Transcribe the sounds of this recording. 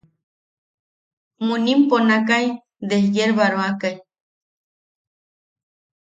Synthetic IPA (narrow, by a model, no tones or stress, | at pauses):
munimponak̬aj | d̪ejeɾβaɾoakaj